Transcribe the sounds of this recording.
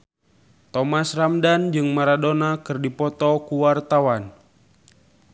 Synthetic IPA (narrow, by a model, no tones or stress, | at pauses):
t̪ɔmasramdand͡ʒɨŋmaɾadonakɨrdipɔt̪ɔkuwart̪awan